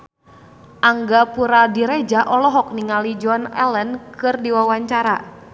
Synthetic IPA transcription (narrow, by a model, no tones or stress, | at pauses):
ʔaŋɡapuɾadiɾed͡ʒaʔɔlɔɦɔk̚niŋalid͡ʒɔnɛ̰lənkɨrdiwawaɲt͡ʃaɾa